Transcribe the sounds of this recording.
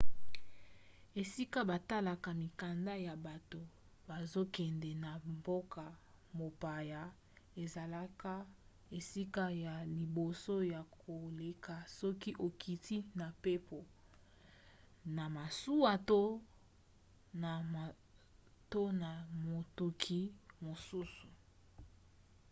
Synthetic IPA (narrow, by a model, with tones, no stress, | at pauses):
e˨si˦ka˦ba˨ta˦la˨ka˨mi˨ka˨nda˦ja˨ba˨to˨ | b̥a˨zo˦kɛ˨ndɛ˨na˨mbo˦ka˨ | mo˨pa˨ja˨ | e˨za˨la˦ka˦ | e˨si˦ka˦ja˨li˨bo˨so˦ja˨kʰo˨le˨kʰa˨sɔ˦ki˦ʔo˨kʰi˨tʰi˦na˨pe˦pʰo˨ | na˨ma˨su˦a˨to˦ | na˨ | to˦na˨mo˨tu˨kʰi˨mo˨su˦su̥˨